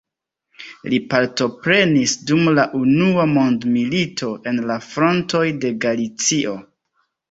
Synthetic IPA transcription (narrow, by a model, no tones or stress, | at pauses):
lipaɾto̞pɾe̞nisdumlaʔunuamo̞ndmilitʰo̞ʔe̞nlafɾo̞nto̞jde̞ɡalit͡siʔo̞